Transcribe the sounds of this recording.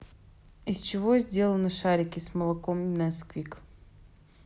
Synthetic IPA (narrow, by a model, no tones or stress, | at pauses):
ɪsʲt͡ɕɪvozʲdʲe̞lˠənɨʂaɾʲɪkʲɪsməlˠɐkomnɐskvʲik